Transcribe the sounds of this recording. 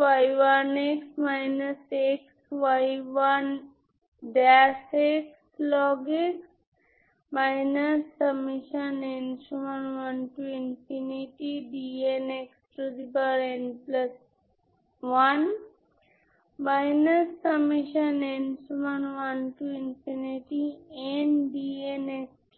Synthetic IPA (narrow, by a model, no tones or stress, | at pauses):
ʋajʋaneksmajnɐseksʋajʋɐn | ɖasekslɔɡeks | majnɐsːəmiʃənensuɐnʋɐnʈuinfʰiniʈiɖieneksʈodibaɾẽnplɐs | wan | majnəskəbmiʃənẽnsumanwanʈuinpʰiniʈienɖieneks